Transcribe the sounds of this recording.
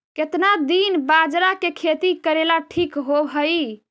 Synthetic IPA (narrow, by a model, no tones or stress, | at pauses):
ket̪nad̪inbad͡ʒɾakekʰet̪ikəɾelaʈʰikɦobɦəji